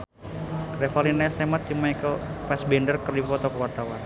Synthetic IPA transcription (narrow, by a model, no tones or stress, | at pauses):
refalinaɛst̪emat̪ːimːajkəlfɛsbɛndərkərdifɔt̪ɔkəwart̪awan